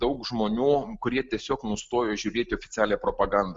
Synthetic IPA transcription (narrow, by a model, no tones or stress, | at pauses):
d̪ɐʊkʒmoːnʲuːkʊɾʲiɛt̪ʲiɛsʲoːknʊst̪oːjoːʒʲuːɾʲeːt̪ʲɪoɔfʲɪt͡s̪ʲæːlʲɛpɾoːpɐɡɐnd̪